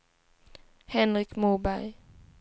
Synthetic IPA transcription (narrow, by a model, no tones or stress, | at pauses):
hɛnɾɪkmubæj